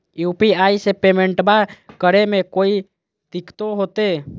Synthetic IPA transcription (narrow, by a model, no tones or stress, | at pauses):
juːpiaːisepeːmẽɳʈbakəɾemẽkoːi | t̪ɪkt̪oɦoːt̪eː